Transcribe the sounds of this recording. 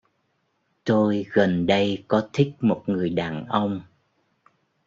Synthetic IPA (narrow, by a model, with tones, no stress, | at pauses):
t̪o˧jɣə˨˩nɗə˧jkɔ˨˦t̪ʰï˦˥k̚mo˨˩t̚ŋɨ˨˩əjɗaː˨˩nʔə˧wŋ͡m